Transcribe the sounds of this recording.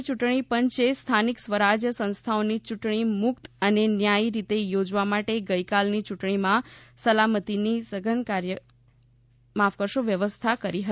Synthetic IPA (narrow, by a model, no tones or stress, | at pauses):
t͡ʃuʈɳ̃ipəɲt͡ʃest̪ʰaniksʋəɾad͡ʒjəsə̃ñst̪ʰaonit͡ʃuʈɳ̃imʊkt̪ənenjajɾit̪ejod͡ʒʋamaʈeɡəjkalnit͡ʃuʈɳ̃imãsəlamət̪inisəɡʱənkaɾjə | mafkəɾʃoʋjəʋəst̪ʰakəɾiɦə